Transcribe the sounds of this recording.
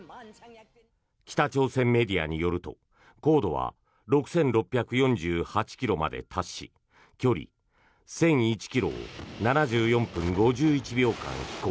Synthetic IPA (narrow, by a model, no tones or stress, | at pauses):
kʲi̥t̪at͡ɕo̞ːsẽ̞mːe̞d̪ʲia̰ɲ̟ijo̞ɾɯ̟t̪o̞̰ | ko̞ːd̪o̞βa̰ | ɾo̞kɯ̟̥sẽ̞nɾo̞pʲːjakɯ̟jõ̞ɲd͡ʑɨːhat͡ɕi̥kʲiɾo̞ma̰d̪e̞̰t̪ʰaɕːḭ | kʲo̞ɾʲḭ | sẽ̞ɰ̃it͡ɕi̥kʲiɾo̞̰ːnanaʑɨːjõ̞mpɯ̟̃ŋɡo̞ʑɨːit͡ɕibʲjo̞ːkã̰ŋ̃çi̥koː